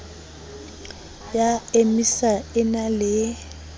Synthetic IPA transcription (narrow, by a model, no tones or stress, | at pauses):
jaemisaɪnalɪ